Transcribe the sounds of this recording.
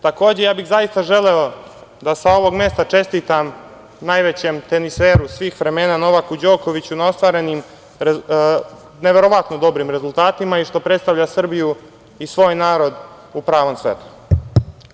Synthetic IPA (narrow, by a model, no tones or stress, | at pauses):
t̪ako̞ːd͡ʑejaːbiɣzajist̪aʒe̞leod̪asao̞ʋo̞ɡme̞st̪at͡ʂe̞st̪iːt̪am | najʋe̞t͡ɕemt̪e̞niseɾusʋiːxʋɾe̞me̞ːnano̞ʋakud͡ʑo̞ːko̞ʋit͡ɕunao̞st̪ʋaːɾe̞nim | neʋe̞ɾo̞ʋat̪nod̪o̞bɾimɾe̞zulˠt̪aːt̪imaiʂt̪o̞pɾet̪st̪aʋʎasr̩biju | isʋo̞ːjnaːɾo̞d̪ | upɾaːʋo̞msʋḛt̪u̥